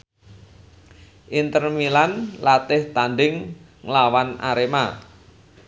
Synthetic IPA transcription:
ʔint̪ərmilanlat̪ɪht̪anɖɪŋ | ŋlawanʔa̰ɾema

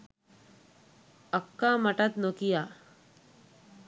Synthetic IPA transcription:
əkːaməʈat̪nokija

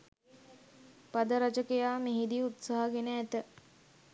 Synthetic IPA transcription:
pad̪əɾat͡ʃəkejaːmeɦid̪iut̪saɦəɡenəæt̪ə

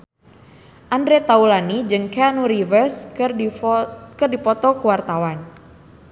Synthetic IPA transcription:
ʔandɾet̪aulanid͡ʒɨŋkɛnuɾivərs | kɨrdipɔt̪ɔkuwart̪awan

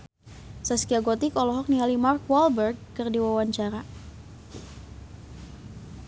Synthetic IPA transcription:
saskiaɡɔt̪ikɔlɔɦɔk̚niɦalimark̚walbərɡ̚ːɨrdiwawaɲt͡ʃaɾa

